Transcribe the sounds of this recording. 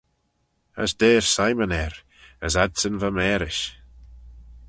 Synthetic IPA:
ə̰sd̪eːɹsajmənɛɾ | əsadsənvamɛːɾɪʃ

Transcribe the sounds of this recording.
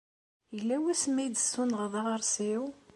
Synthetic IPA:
jəlːæwæsmæjd̪əsːunʁðˤɑʁəɾˤsiw

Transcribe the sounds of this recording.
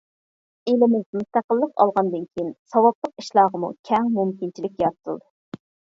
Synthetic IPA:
elɪmɪzmust̪æqəlˠːəqɑ̰lˠʁɑnd̪ɨnkʲʰejinsɑwɑblˠəqi̥ʃlˠɑːʁəmṵkʲʰɛŋmumkʲint͡ʃʰilɪk̚ʲjɑɾt̪ʰɨ̰lˠd̪ɨ

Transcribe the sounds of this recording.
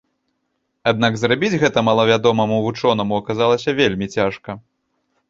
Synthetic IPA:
ad̪̚naɡzrabʲid͡zʲɣɛt̪ɐmɐlˠɐvʲad̪ɔmɐmuvut͡ʂɔnɐmuɐkazalˠɐsʲɐvʲelʲmʲit͡sʲaʂkɐ

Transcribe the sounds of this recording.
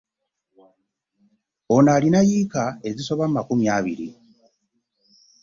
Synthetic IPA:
onaːlinajiːkae̞ziso̞βammakumjaːβḭɾḭ

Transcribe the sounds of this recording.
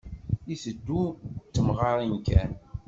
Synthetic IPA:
isəd̪ːut͡sːəmʁɑɾˤinkæn

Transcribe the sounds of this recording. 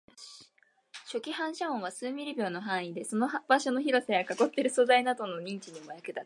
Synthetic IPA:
ɕo̞kʲihãɰ̃ɕaõɰ̃βasɨːmʲiɾɯbʲo̞ːno̞ɦãɰ̃id̪e̞so̞nobaɕo̞no̞çiɾo̞saɡakako̞t̪ːe̞ɾɯ̟so̞zainad̪o̞no̞ɲ̟ĩɲ̟t͡ɕiɲ̟imojakɯ̟d̪a

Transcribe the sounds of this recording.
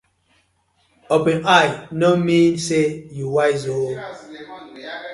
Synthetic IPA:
opẽnajnomĩnsejuwajzo

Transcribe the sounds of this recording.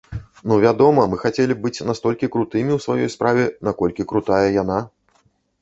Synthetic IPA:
nuvʲad̪ɔmɐmɨxat͡sʲelʲib̚bɨt͡sʲnast̪ɔlʲkʲikɾut̪ɨmʲiwsvajɔjspɾʔavʲɛnakɔlʲkʲikɾut̪ajɐjana

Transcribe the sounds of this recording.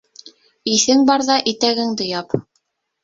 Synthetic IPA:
iθɘŋbɑɾðɑʔit̪æɡɘŋd̪ɘ̆jɑp

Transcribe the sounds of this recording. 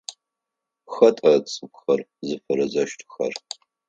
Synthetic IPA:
xɐtʼɐt͡sʼɨpxɐrzɨfɐɾɐzɐʃtʰxɐ̰r

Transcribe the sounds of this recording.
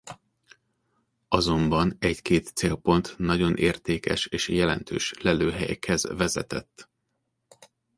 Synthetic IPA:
ɒzo̞mbɒnɛɟkeːt̪seːlpo̞nt̪nɒɟo̞nʔeːrt̪eːkɛ̰ʃeːʃjɛlɛ̰nt̪ʰø̰ːʃlɛløːɦɛjɛ̰kʰɛzvɛzɛ̰t̪ɛ̰t̪ː

